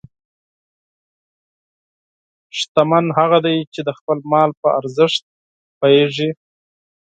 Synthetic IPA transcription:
ʂt̪amanɦaɣad̪ajt͡ʃed̪əxpəlmɑlpəʔaɾzəʂt̪̚ | pajeʐi

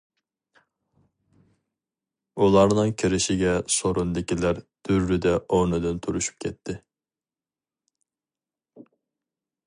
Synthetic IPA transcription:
ulˠɑɾnɨŋkʲʰiɾɪʃɪɡʲɛsoɾund̪ɪkʲilæɾd̪̥yɾːyd̪ɛʔonɨd̪ɪnt̪ʰuɾuʃy̥p̚kʲʰɛt̪ʰːɪ

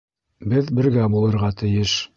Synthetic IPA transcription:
bɘðbɘ̆ɾɡæbulˠɤ̆ɾʁɑt̪ɘ̆jɘʃ

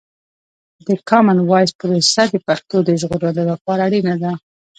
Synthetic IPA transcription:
d̪əkɑmanwɑjspuɾusad̪əpaxt̪od̪əʒɣoɾaloləxɑɾaɽinad̪a

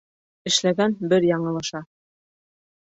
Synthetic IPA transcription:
ɘ̆ʃlæɡænbɘɾjɑɴɤ̆lˠɤ̆ʃɑ

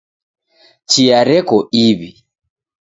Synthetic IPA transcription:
t͡ʃiaɾɛkɔiβi

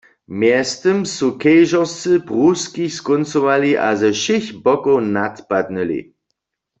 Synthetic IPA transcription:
mjɛstəmsukɛjʒɔʁst͡sɨpʁuskiskɔnt͡sɔwaliʔa̰zɛʃɪçbɔkownatpad̪̚nəlḭ

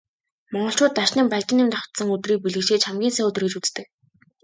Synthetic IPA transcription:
mɔɴɢɞ̆ɬt͡ɕʊːt̪ːaʃniːmpaɮʲt͡ɕ̪ɪ̆nɪmt̪ɔχt̪sə̆ŋɵt̪riːk̚piɮɘ̆ʃeːt͡ɕχamɡʲiːnsæːɵt̪rĭːkt͡ɕut͡st̪ɘ̆k

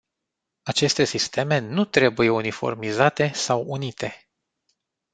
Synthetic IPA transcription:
at͡ʃe̞st̪e̞sist̪ʰe̞me̞nut̪ɾe̞buje̞unifo̞̰rmizat̪e̞sawunit̪ʰe̞

